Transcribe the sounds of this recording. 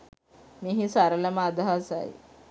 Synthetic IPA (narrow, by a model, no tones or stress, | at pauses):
miːɦisaɾəlamad̪aɦasa̰ḭ